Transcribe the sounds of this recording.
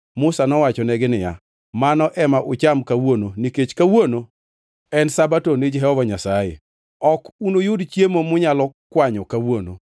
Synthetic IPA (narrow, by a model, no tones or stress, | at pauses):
mʊsanɔwat͡ʃɔnɛɡɪnɪja̰ | manɔʔɛmaʔʊt͡ʃamkawononiket͡ʃkawono | ɛnsabatonid͡ʒɦɛɔbɔɲasajḛ | ɔkunojʊdt͡ʃjemomʊɲalɔkwaɲɔkawono̰